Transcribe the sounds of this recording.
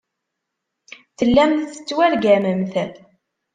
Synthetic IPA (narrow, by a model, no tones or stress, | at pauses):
θəlːæmθθə̥t͡sːwælɡæməmθæl